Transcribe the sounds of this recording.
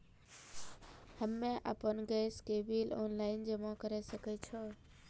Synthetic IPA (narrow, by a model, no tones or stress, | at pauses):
həmːẽʔa̰ːpənɡeːskebiːloːnlaːɪnd͡ʒemãkəɾesəkɛt͡ʃʰoː